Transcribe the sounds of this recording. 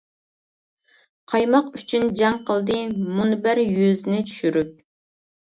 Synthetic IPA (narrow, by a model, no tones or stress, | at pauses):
qʰɑjmɑqyt͡ʃʰynd͡ʒɛŋqʰəlˠd̪ɨmunbæɾjøznɪt͡ʃʰy̥ʃyɾyp̚